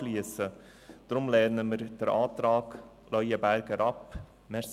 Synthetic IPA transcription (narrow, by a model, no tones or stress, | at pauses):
liəsə | d̪̥ɾʊmlɛɾnəməɾd̥əɾʔaːtɾɑːɡ | lœʏəbæɾɡəɾʔɑp | mɛɾs